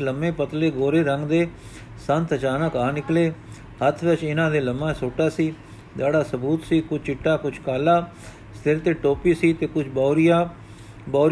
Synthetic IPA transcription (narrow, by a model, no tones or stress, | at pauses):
ləmẽːpət̪leːɡoːɾeːɾəŋɡd̪eː | sənt̪ət͡ʃaːnãːkaːnɪkleː | hət̪ʰʋɪt͡ʃɪnãːd̪eːləmãːsʊːʈːaːsiː | d̪aːɽaːsəbuːt̪siːkʊt͡ʃʰt͡ʃɪʈːaːkʊt͡ʃʰkaːlaː | st̪ɪɾt̪eːʈoːpiːsiːt̪eːkʊt͡ʃʰbaːɾjaː | bɔːɾ